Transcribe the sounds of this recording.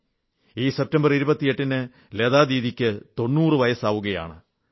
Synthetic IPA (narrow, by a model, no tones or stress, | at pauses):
iːse̞p̚tɐmbɐriɾubɐt̪ːije̞ʈːinɨ | leðaːd̪iːðikʲːɨt̪o̞nːuːrɨʋɐjɐsaːʋuɣɐja̰ːɳɨ